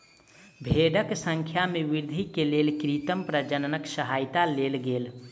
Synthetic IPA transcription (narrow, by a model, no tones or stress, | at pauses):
bʱeːɖəksə̃ŋkʰjamẽʋɪɾd̪ʱikeleːlkɾit̪əmpɾəd͡ʒənənəksəɦaːjt̪aleːlɡeːl